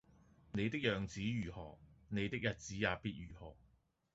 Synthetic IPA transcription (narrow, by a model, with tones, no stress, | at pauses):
ne˨˧jt̪ɪ˥k̚jœː˨˩ŋt͡siː˨˥jyː˨˩hɔ̰ː˨˩k̚ne˨˧jt̪ɪ˥k̚jɐ˨t̚t͡siː˨˥jaː˨˧piː˥t̚jyː˨˩hɔː˨˩k̚